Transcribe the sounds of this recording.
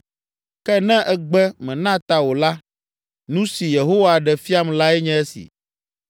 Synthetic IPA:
kɛ˦nɛ̃˦ʔɛ˦ɡ͡bɛ˦mɛ̃˨nã˦t̪a˨wo˨la˦ | nũ˦si˨je˨ɦo˦wa˨ɖɛ˨fi˦a˦m˨la˦ɛ˦ɲɛ̃˦ɛ˦sḭ˨

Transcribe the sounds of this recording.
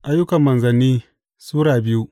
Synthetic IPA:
ʔa˦jʊ˦kɐ˨mːɐ˨nzɐ˨nːiː˦ | suː˦ɽaː˨bɪ˦ju˦ʔ

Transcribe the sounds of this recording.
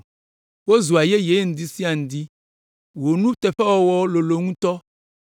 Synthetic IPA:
wo˦zu˨a˨je˦je˨˦ŋũ˨d̪i˦si˦a˨ŋ̩̃˨d̪i˦ | wo˨nũ˦t̪ɛ˨ɸɛ˦wɔ˦wɔ˦o˦lo˨lo˨ŋũ˦t̪ɔ˦

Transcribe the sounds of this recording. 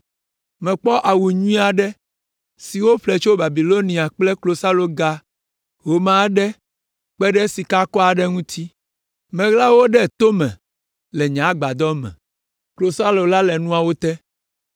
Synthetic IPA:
mɛ̃˨k͡pɔ˦ʔa˨wu˨ɲũ˦ĩ˦a˨ɖɛ˦ | si˨wo˦ɸlɛ˨t͡ʃo˦ba˨bi˨lo˦nĩ˨a˨k͡plɛ˦klo˨sa˦lo˨ɡa˦ | ɦo˨mã˨˦ɖɛ˦ | k͡pɛ˦ɖɛ˦si˨ka˦kɔ˦a˨ɖɛ˦ŋũ˦t̪ʰi˦ | mɛ̃˨ɣla˦wo˦ɖɛ˦˨t̪o˦mɛ̰̃˨ | lɛ˨ɲã˨˦ɡ͡ba˨d̪ɔ˦mɛ̰̃˨ | klo˨sa˦lo˨la˦lɛ˨nũ˦a˨wo˦t̪ɛ˦

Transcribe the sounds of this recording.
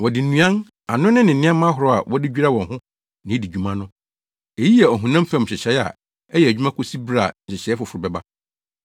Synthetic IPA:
wɔ˨dɪ˨n̩˦nũ˨˦ã˦n | a˨nʊ̃˦nɪ̃˦nɪ̃˨n̩˦ɪ̃˦a˦mã˦ɦʊ˨ɾɔ˨a̰˨wʔɔ˦dɪ˦d͡ʑᶣi˦ɾa˦wɔ̃˨nhʊ̃˦ | nɪ̃˨˦di˨d͡ʑᶣu˨mã˦nʊ̃˦ | e˨ji˦jɛ˨ɔ˨ɦʊ̃˨nã˦m̩˦fɛ̃˦m̩˨ɕɪ˨ɕɛ˨˦a̰˨ | ɛ˦jɛ˨æ˨d͡ʑᶣu˦mã˦kʰʊ˦si˦bɾa˦˨ɕɪ˨ɕɛ˨˦fʊ˨fʊ˨ɾʊ˨bɛ˦˨ba˦

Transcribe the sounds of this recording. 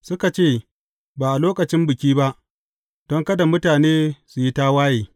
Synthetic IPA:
sʊ˦ka˨t͡ʃeː˦˨ | baː˨ʔa˨loː˦kɐ˨t͡ʃɪ˦mbɪ˨kʲiː˦ba˦ʔ | d̥ɔ˦ŋkɐ˦da˨mʊ˦taː˨neː˦su˨ji˦ta˦waː˦jeː˨

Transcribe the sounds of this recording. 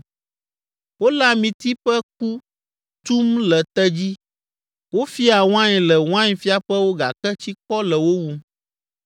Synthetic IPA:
wo˦la˦mĩ˨t̪i˦ɸɛ˦k̚u˦ | t̪u˦mlɛ˨t̪ɛ˦d͡ʑi˦ | wo˦fi˦a˨w̃ã˦ɲɛ˨lɛ˨w̃ã˦ɲ˨fi˦a˨ɸɛ˦wo˦ɡa˨kɛ˦t͡ɕi˦kɔ˦lɛ˨wo˦wu˦m

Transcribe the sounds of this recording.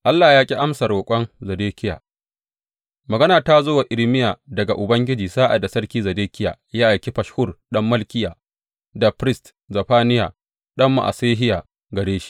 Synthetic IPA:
ʔa˦lːaː˨jaː˦kʲʼi˦ʔa˦msɐ˨ɾoː˨kʷʼɔ˦nzɐ˨deː˦kʲɪ˦ja̰ː˨ | mɐ˨ɡɐ˦naː˨taː˦zoː˦wa˨ʔɪ˨lmɪ˦ja˨dɐ˨ɡa˨ʔʊ˨bɐ˦ŋɡʲɪ˦d͡ʒiː˨zaː˦ʔa̰˨da˨sɐ˦rkʲiː˦zɐ˨deː˦kʲɪ˦ja̰ː˨jaː˦ʔa˨jkʲi˦ɸɐ˨ʃhʊ˦rɗɐ˦mːɐ˦lkʲɪ˦ja˨ | dɐ˨ɸɾɪ˦st | zɐ˨ɸaː˦nɪ˦ja˨ | ɗɐ˦mːa̰˨ʔa̰˨seː˦ɦɪ˦ja˨ | ɡɐ˨ɽeː˦ʃi̥˦

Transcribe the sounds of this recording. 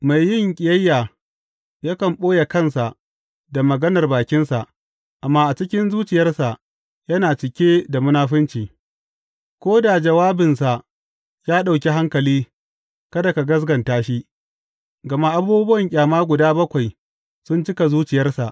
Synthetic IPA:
ma˨jːɪ˦˨ŋkʲʼɪ˨jɐ˦jːaː˨ | ja˦kɐ˨mɓoː˦ja˨kɐ˦nsa˨ʔ | da˨mɐ˨ɡɐ˦nɐ˨rbaː˨kʲɪ˦nsa˨ʔ | ʔa˨mːaː˦ʔa˨t͡ʃɪ˦kʲɪ˦nzuː˦t͡ʃɪ˨jɐ˦rsa˨ʔ | jɐ˦naː˨t͡ʃɪ˨kʲeː˦da˨mʊ˦naː˦ɸɪ˦nt͡ʃiː˨ | kʷoː˦da˨d͡ʒɐ˨waː˦bɪ˨nsa˨ʔ | jaː˦ɗa˨wkʲi˦ɦa˦ŋkɐ˨liː˦ | kɐ˦da˨ka˨ɡɐ˦zɡɐ˨ntaː˦ʃi˦ | ɡɐ˨ma˦ʔa˦buː˦bʊ˦wɐ˨ŋkʲʼaː˨maː˦ɡʷʊ˨daː˦bɐ˦kʷa˨j | sʊ˦nt͡ʃɪ˦ka˨zuː˦t͡ʃɪ˨jɐ˦rsa˨ʔ

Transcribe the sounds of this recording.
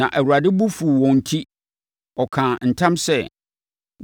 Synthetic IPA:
nã̰˨ʔæ˨wu˨ɾa˨dɪ˦bu˦fu˨wɔ̃˨n̩˨tʰi˦ | ɔ˨kʰã˨n̩˨tʰã˦msɛ˦

